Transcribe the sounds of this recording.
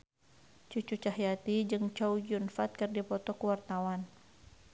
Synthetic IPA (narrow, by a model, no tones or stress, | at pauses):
t͡ʃut͡ʃut͡ʃahjat̪id͡ʒɨŋt͡ʃawd͡ʒiunfat̪̚kɨrdipɔt̪ɔkuwart̪awan